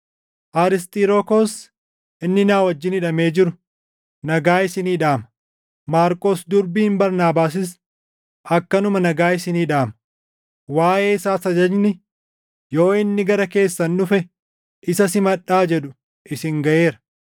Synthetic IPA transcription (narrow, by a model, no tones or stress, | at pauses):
ʔaːɾɪs̬t̪ʼɪɾokoːs | ʔɪnːɪnaːwɐd͡ʒːɪnɪᶑɐme̞ːd͡ʒɪɾʊ̥ | nɐɡaːɪsɪniːᶑaːmɐ | maːɾkʼoːsd̪ʊɾbiːɪmbɐɾnaːbaːsɪs | ʔɐkːɐnʊmɐnɐɡaːɪsɪniːᶑaːmɐ | waːʔe̞ːɪsaːsɐd͡ʒɐd͡ʒnɪ | jo̞ːɪnːɪɡɐɾɐke̞ːsːɐnːʊfɛ | ʔɪsɐsɪmɐᶑːaːd͡ʒɛᶑʊ̥ | ʔɪsɪŋɡɐʔe̞ːɾɐ̥